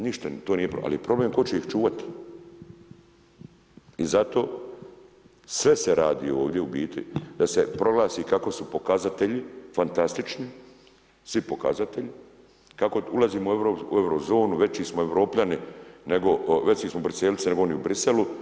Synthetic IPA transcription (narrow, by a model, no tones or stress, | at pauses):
niʃt̪at̪oːnijepo̰ʔa̰liepɾo̞bleːmko̞t͡ɕe̞ixt͡ʃuːʋat̪i̥ | izat̪o̞ː | sʋe̞seɾʔaːd̪ḭːo̞ːʋd̪je̞ubiːt̪ḭd̪̥ase̞pɾo̞ɡlˠaːsiːkako̞supo̞kazat̪e̞ʎifant̪ast̪it͡ʃni | sʋipo̞ka̰zat̪eʎi | kako̞ulˠaziːmoueʋɾoːpṵewɾozo̞ːnuʋe̞t͡ʃiːsmoe̞ʋɾo̞ːpʎanine̞ɡo̞ʋe̞t͡ʃiːsmobɾiselit͡s̪eneɡooniubɾise̞lu